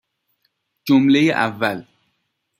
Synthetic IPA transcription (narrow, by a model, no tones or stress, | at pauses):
d͡ʒomlejeʔavːal